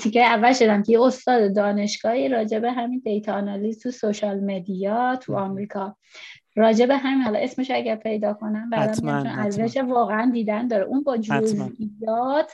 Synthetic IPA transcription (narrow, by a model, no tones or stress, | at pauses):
t̪ʰicʰejævːælʃo̞d̪æmkʰejeost̪ɒːd̪ed̪ɒːne̞ʃɡ̥ɒːiɾɒːd͡ʒe̞beɦæmind̪e̞jt̪ʰɑːnɒlizt̪ʰusoʃɒːlme̞d̪ijɒːt̪ʰṵɒːmɾiːkʰɒː | rɒːd͡ʒe̞beɦæminhɒlɒ̰ʔe̞sme̞ʃoæɟæɾpʰe̞jd̪ɒːkʰo̞næmbæd̪æmiæmt͡ʃʰonʔæzzæʃevɒːɣeænd̪iːd̪ænd̪ɒːɾḛʔunbɒːd͡ʒozʔijɒːt̪ʰ